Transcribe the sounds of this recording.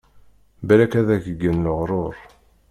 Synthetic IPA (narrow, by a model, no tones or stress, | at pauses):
bælækæðæçəɡənləʁɾˤoɾˤ